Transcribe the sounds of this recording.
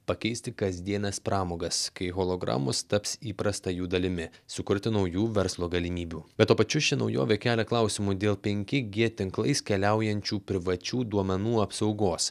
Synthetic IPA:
pɐkʲɛɪsʲt̪ʲɪkɐzʲd̪ʲiɛnʲɛspɾɑːmoːɡɐskɐɪɣoːlˠoːɡɾɑ̰ːmʊst̪ɐpsiːpɾɐst̪ɐjuːd̪ɐlʲɪmʲɪsʊkʊɾʲt̪ʲɪnɒʊjuːʋʲɛɾslˠoːɡɐlʲɪmʲiːbʲuːb̥ʲɛt̪t̪uɔpɐt͡ʃʲʊʃʲɪnɒʊjo̰ːʋʲekʲæːlʲɛklˠɐˑʊsʲɪmud̪ʲeːlˠpʲɛŋʲkʲɪɡʲiɛt̪ʲɪŋklˠɐɪskʲɛlʲæˑʊjɛnʲt͡ʃʲuːpʲɾʲɪʋɐt͡ʃʲuːd̪uɔmʲɛnuːɐpsɒʊɡoːs

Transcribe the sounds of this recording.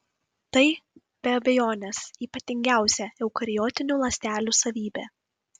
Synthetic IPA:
t̪ɐɪ | b̥ʲɛɐbʲɛjoːnʲesiːpɐt̪ʲɪŋʲɡʲæˑʊsʲɛɛʊkɐɾʲɪjoːt̪ʲɪnʲuːlˠɐsʲt̪ʲæːlʲuːsɐʋʲiːbʲḛː

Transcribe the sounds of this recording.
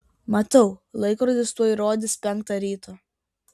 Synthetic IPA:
mɐt̪ɐʊlˠɐɪkɾoːd̪ʲɪst̪uɔiɾoːd̪ʲɪspʲɛŋˑkt̪ɑɾʲiːt̪ʰoː

